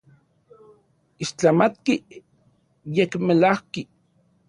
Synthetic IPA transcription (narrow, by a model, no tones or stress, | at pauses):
iʃt͡ɬamat̪ki | jekmelahki